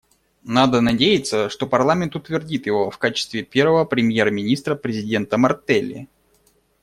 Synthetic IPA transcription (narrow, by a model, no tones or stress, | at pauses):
nad̪ənɐdʲejɪt̪səʂt̪o̞pɐrlˠamʲɪnt̪ʊt̪vʲɪrdʲit̪jɪvo̞fkat͡ɕɪ̥st̪vʲɪpʲe̞rvəvəpɾʲɪmʲjermʲɪnʲist̪ɾəpɾʲɪzʲɪdʲe̞nt̪əmɐrt̪ɛlʲːɪ̰